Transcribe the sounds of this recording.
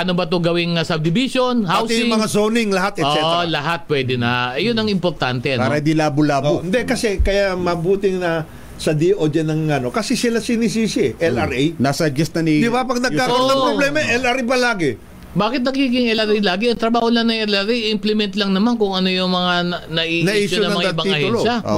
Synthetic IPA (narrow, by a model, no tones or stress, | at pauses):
ʔɐnobɐt̪oɡɐwɪŋɐsɐb̚d̪ɪbisonhawt̪sjʊɪŋmɐŋasoːnɪŋlɐhat̪ɛoʔlɐɦat̪̚pwɛd̪ɪnɐjʊnɐŋɪmpoɾt̪ant̪ɛʔɐnpaːɾɐɪnd̪ilaːbʊlaːboɪnd̪ɛkɐsɛkɐjamɐbuːt̪ɪnɐ | sɐd̪iʔod͡ʒɛnɐŋɐno̞kɐsɛsɪlasinis̬iːsɪʔɛlʔɐɾʔɛjnasɐd͡ʒɛsnɐnid̪ɪbapɐɡ̚nɐɡaːknɐpɾoblɛmɐʔɛlɐɾibɐlaːɡɛ | baːkɪt̪nɐɡiːɡɪŋʔɛlɐɾʔejlaːɡɪɐŋt̪ɾɐbaːholɐŋnɐŋʔɛlɐɾiɪmplɛmɛnt̪lɐŋnɐmankʊŋɐno̞jʊŋmɐŋanɐʔiːʔnɐʔiːʃonɐmɐɐŋaabɐiɐhʊɛloaʔo̰